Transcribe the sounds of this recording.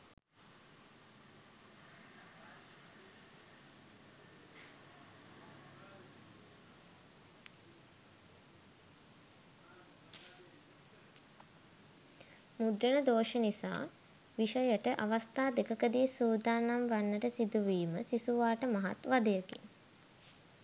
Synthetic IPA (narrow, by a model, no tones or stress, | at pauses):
mud̪ɾənəd̪oːʃənisa̰ː | ʋiʃəjəʈəʔaʋast̪aːd̪ekəkəd̪iːsuːd̪aːnamʋanːəʈəsid̪uʋiːməsisuʋaːʈəmaɦa̰t̪ʋad̪əjəkḭŋ